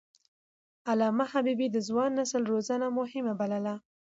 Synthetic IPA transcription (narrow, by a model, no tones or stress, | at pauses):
alɑmahabibid̪əzwɑnːasəlɾozanamʊhɪmabaləla